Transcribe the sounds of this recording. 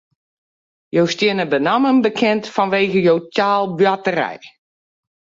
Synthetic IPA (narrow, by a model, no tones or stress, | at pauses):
jowstjɪnəbənamənbəkʰɛntfɔnʋeːɣəjowtaːlˠbɥatərɛ̰j